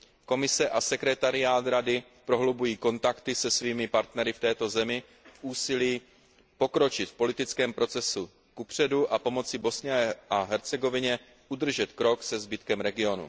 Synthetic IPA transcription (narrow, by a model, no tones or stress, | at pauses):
ko̞mɪsɛʔasɛkɾɛt̪aɾɪaːt̪ɾadɪ | pɾo̞ɦlobujiːko̞nt̪akt̪ɪsɛsviːmɪpaɾt̪nɛɾɪft̪ɛːt̪o̞zɛmɪ | fʔuːsɪliː | po̞kɾo̞t͡ʃɪt̪fpo̞lɪt̪ɪt͡skɛːmpɾo̞t͡sɛsu | kupr̝̥ɛduʔapo̞mo̞t͡sɪbo̞sɲɛʔaɦɛɾt͡sɛɡo̞vɪɲɛ | ʔud̪r̩ʒɛt̪kɾo̞ksɛzbɪt̪kɛmɾɛɡɪo̞nṵ